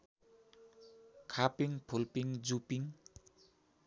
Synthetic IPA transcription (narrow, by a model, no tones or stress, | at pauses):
kʰapiŋpʰulpiŋd͡zupiŋ